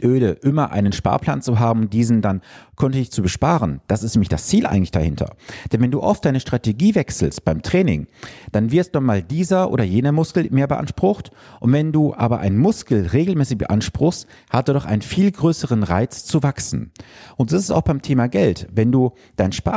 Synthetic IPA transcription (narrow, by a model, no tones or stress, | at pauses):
ʔøːləʔɪmɐʔa̰ɪnənʃpa̰ːɐpl̥a̰ːnt͡suɦaːbm̩d̥iːzn̩dankʰœntədɪçt͡subəʃpaːʁənd̥asɪstnɛːmɪçd̥ast͡siːlʔa̰ɪɡŋ̩lɪçd̥a̰hɪntʰɐ̰d̥ɛnvɛnduːʔɔftd̥aɪnəʃtʁ̥ateɡiːvɛksl̩st̚b̥aɪmtʁ̥ɛːnɪ̰ŋd̥anvɪɐstːɔmaːldiːzɐʔo̰ːɾɐjeːnəmʊskl̩meːɐbəʔa̰nʃpʁ̥ʊxtʔʊntv̥ɛnduːʔa̰ːbɐʔa̰ɪnmʊskl̩ʁeːɡl̩mɛːsɪçb̥ə̰ʔanʃpʁ̥ʊxst | hat̚d̥oːdɔχʔaɪnənfiːlɡʁøːsəʁənʁaɪt͡st͡suvaksn̩ʔʊnt̚z̥osɪsta̰ʊxb̥aɪmtʰeːmaɡɛltvɛnduː | d̥aɪnʃpa